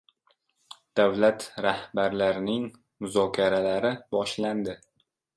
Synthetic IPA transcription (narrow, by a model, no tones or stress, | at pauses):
d̪̥avlat̪ɾahbaɾlaɾɪnɪŋ | mʊzɒkʲʰaɾalaɾɪbɒʃland̪ɪ